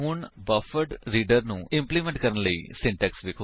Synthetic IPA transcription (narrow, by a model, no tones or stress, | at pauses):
ɦʊɳbɐfəʈɾiːɖəɾnũːɪ̃mplimɛ̃ɳʈ̚kəɾənləḭːsɪ̃ɳʈɛksʋɪkʰo